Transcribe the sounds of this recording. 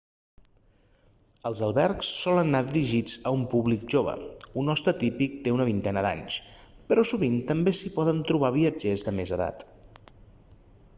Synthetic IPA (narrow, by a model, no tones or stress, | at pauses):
əlˠzəlˠβɛɾksːɔlənːaðiɾiʒid͡zəumpuβlikʒoβə̰unɔst̪ɾət̪ipik̚t̪eunəβint̪ɛnəða̰ɲs | pəɾɔsuβ̞int̪əmbesipɔðənt̪ɾuβ̞aβ̞iəd͡ʒezðəmezəða̰t̪